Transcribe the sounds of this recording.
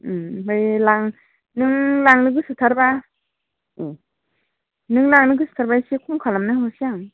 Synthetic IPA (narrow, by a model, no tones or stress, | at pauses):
ɦɯjlaŋ | nɯŋlaŋnɯɡɯsɯtʰaɾba | nɯŋlaŋnɯɡɯsɯ̥tʰaɾbajsekʰumkʰalamnaɦɔsijaŋ